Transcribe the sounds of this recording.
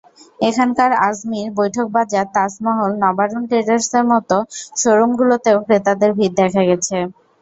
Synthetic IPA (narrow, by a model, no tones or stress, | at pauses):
ekʰankaɾasmiɾbojʈʰok̚bad͡ʑat̪asmɔɦolnɔbaɾonʈɾeʈaɾseɾmɔt̪oʃoɾomɡulot̪eokɾet̪ad̪eɾbʱiɾd̪ɛkʰaɡɛt͡ɕʰe